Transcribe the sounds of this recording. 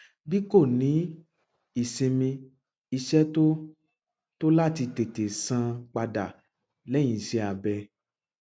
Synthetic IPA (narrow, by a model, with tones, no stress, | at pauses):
bi˦ko˦˨nĩ˨˦ | i˨sẽ˧mĩ˧ | i˧ʃɛ˦to˦ | to˦la˦˨ti˧te˨te˨sã˧k͡pa˧da˨ | lɛ̃˦ĩ˨ʃe˧˦a˨bɛ˧